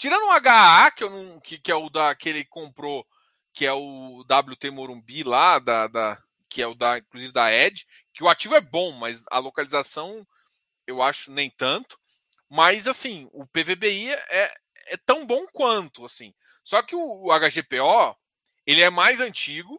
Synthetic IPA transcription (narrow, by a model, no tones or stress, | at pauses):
t͡ʃiɾɐ̃nd̪ʊũaɡaakɪewnɐ̃w̃kɪkɪɛʊd̪ɐkelɪkõmpɾo | kɪɛʊd̪ablut̪emoɾũbilad̪ɐd̪ɐ | kɪɛʊd̪ɐĩkluzivɪd̪ɐɛd͡ʒɪ | kɪʊat͡ʃivʊɛbõmɐjzɐ̰lokalizasɐ̃w̃ | ewaʃʊnẽj̃t̪ɐ̃nt̪ʊ̥ | mɐzasĩʊpevebeiɛ | ɛt̪ɐ̃w̃bõw̃kwɐ̃nt̪ʊasĩ | sɔkɪʊːaɡaʒepeɔ | elɪɛmajzɐ̃t͡ʃiɡʊ